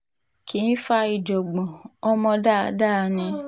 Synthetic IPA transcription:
ki˨˦n̩˦fa˧i˨d͡ʒɔ˨ɡ͡bɔ̃˨ɔ˧mɔ̃˧da˦˨da˦˧˦nĩ˧

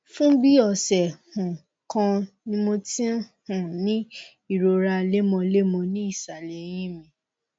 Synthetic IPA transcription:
fũ˦bi˦ɔ˦˨sɛ˨hũ˨ | kã˧ | nĩ˧˦mo˧tĩ˦hũ˨nĩ˨˦ | i˦˨ɾo˨ɾa˧le˦mɔ̃˧le˦mɔ̃˧nĩ˦i˦˨sa˨lɛ˨˦j̃ĩ˦mĩ˧˨

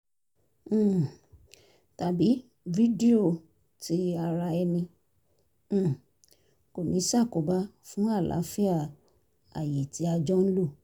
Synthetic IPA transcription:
ta˨bi˨˦ | vi˦di˦o˦˨ | ti˨˦a˧ɾa˧ɛ˧nĩ˧˦˨ | ko˨nĩ˨˦sa˦˨ko˨ba˦fũ˦a˦˨lʔa̰˨˦fi˦a˦˨ | a̰˨ji˨ti˨˦a˧d͡ʒɔ˦n̩˦lo˦˨

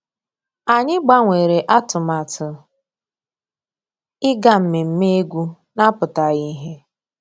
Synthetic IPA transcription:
a˨ɲɪ˦ɡ͡ba˦ŋʷe˨ɾe˨ʔa˦tʊ˨ma˨tʊ˨ | ɪ˦ɡa˦m̩˨me˨m̩˦me˦e˦ɡʷu˦ | na˦pʊ˨ta˨ɣi˦ɦe˦

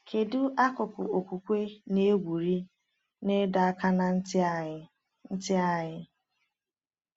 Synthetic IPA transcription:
kʰe˨du˦ʔa˦kʊ˨pʊ̰˨o˨kʷu˨kʷe˦ne˦ɡʷu˨ɾi˦ | ne˦da˨a˦ka˦na˨n̩˦˨ | n̩˦tɪ˦a˨ɲɪ˦

